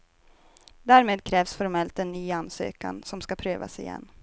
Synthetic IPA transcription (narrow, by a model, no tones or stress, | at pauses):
d̪æːɾmeːd̪kʰɾɛːvsfɔɾmɛlt̪ɛnːyːanːsø̰ːka̰nsɔmskapʰɾøːva̰sɪjɛ̰nː